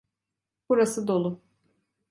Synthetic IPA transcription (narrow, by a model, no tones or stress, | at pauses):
b̥uɾasɯd̪o̞lˠʊ